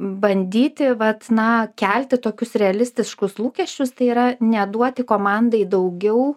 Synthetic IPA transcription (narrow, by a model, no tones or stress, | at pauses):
bɐnʲd̪ʲiːt̪ʲɪʋɐt̪nɐkʲælʲt̪ʲɪt̪oːkʲʊsɾʲɛɐlʲɪsʲt̪ʲɪʃkʊslˠuːkʲɛʃʲt͡ʃʲʊst̪ɐɪiːɾɐnʲɛd̪uɔt̪ʲɪkoːmɑnd̪ɐɪd̪ɐʊɡʲɛʊ